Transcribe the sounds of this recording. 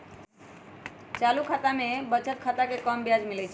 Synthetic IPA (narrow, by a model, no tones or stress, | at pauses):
t͡ʃalukʰat̪amebət͡ʃʰət̪̚kʰat̪akekəmbjad͡ʒmilɛt͡ʃʰ